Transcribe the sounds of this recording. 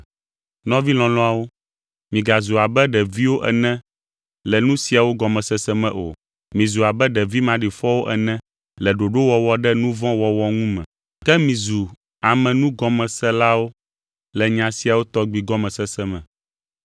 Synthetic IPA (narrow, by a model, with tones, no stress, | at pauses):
nɔ̃˦vi˦l̃ɔ̃˨lɔ̃˦a˨wo˦ | mĩ˨ɡa˨zu˨a˨bɛ˦ɖɛ˨vi˦wo˦ʔɛ̰˨nɛ̃˦ | lɛ˨nũ˦si˨a˨wo˦ɡɔ˨mɛ̃˨sɛ˦sɛ˦mɛ̃˨ʔo̰˨ | mĩ˨zu˨a˨bɛ˦ɖɛ˨vi˦mã˨ɖi˨fɔ˦wo˦ʔɛ˨nɛ̃˦ | lɛ˨ɖo˨ɖo˦wɔ˨wɔ˦ɖɛ˦nũ˦vɔ̃˦wɔ˨wɔ˦ŋũ˦mɛ̰̃˨ | kɛ˦mĩ˨zu˨ | a˨mɛ̃˨nũ˦ɡɔ˨mɛ̃˨sɛ˦la˦wo˦ | lɛ˨ɲã˨si˨a˨wo˦t̪ɔ˦ɡ͡bi˨ɡɔ˦mɛ̃˨sɛ˦sɛ˦mɛ̰̃˨